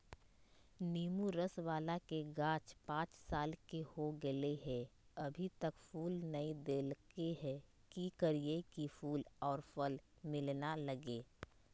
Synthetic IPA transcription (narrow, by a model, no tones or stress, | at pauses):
niːmuɾəsʋaːlakeɡãːt͡ʃpãːt͡ʃsaːlkehoɡəleɦɛ̃ɐbʱit̪əkfuːlnəid̪eːlkeɦɛ̃ | kikəɾiekifʰuːlɔːɾfəl | mɪlnaləɡeː